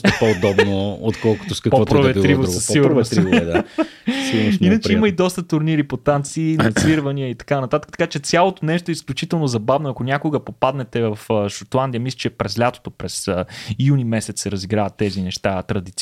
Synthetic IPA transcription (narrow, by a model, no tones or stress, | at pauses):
ɛpood̪ɔbnoot̪kɔlˠko̥t̪oskɐkpɔɔtpɾovɛt̪ːɾivɾssiɡuɾnɾd̪asiɡnʃinət͡ʃɛimɐid̪ɔst̪ət̪ʊɾniɾipot̪ant̪siːnɐt̪sviɾvɐniəit̪ɐ̥kanɐt̪at̪əkət̪ɐkat͡ʃɛt̪sʲjalˠot̪onɛʃt̪oɛisklʲut͡ʃit̪ɛlˠnozɐbavnoɐkonʲakoɡəpopad̪nɛt̪ɛvɐfʃot̪lˠand̪ijəmislʲɛt͡ʃɛpɾɛzlʲat̪o̥t̪opɾɛsijunimɛsɛt̪ssɛɾɐziɡɾavɐt̪ːɛzinɛʃt̪at̪ɾɐd̪it̪s